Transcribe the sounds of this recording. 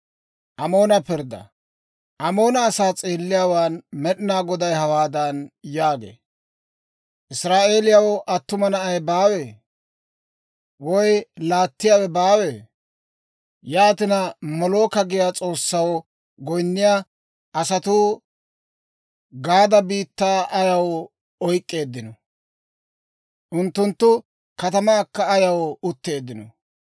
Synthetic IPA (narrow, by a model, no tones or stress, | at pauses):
ʔɐmo̞ːnɐpɪɾd̪ɐ̰ | ʔɐmo̞ːnɐːsaːt͡sʼeːlːɪjaːwaːnmɛɗɪnaːɡɔd̪ɐjɦɐwaːd̪ɐnjaːɡḛː | ʔɪsɾaːʔe̞ːlɪjawɔʔɐt̪ːʊmɐnɐɐjbaːwe̞ː | wɔjlaːt̪ːɪjaːwɛbaːweː | jaːt̪ɪnɐmɔloːkɐɡɪjaːt͡sʼo̞ːsːɐwɔ | ɡɔjnːɪja | ʔɐsɐt̪uː | ɡaːd̪ɐbiːt̪ːaːʔɐjɐwɔ | ɔjkʼːe̞ːd̪ːɪnɔ | ʔʊnt̪ːʊnt̪ːʊ | kɐt̪ɐmaːkːɐːjɐwɔʊt̪ːe̞ːd̪ːɪnɔ̰